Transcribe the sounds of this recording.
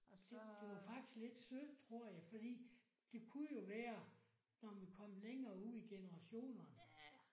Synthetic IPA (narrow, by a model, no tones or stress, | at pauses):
d̥eʋɑ̈fɑ̈ɡ̥d̥i̥sɡ̥le̝d̥sø̥t͡sʰʁo̝ɐ̰jɑ̈ɪfɒ̽d̥ḭː | d̥e̝kʰujo̝ʋæːɐ | nɒʋikʰɒ̽m̰leŋɐːuð̰ˠiɡ̥e̝nəʁɑ̈ɕo̝̰ːnɐn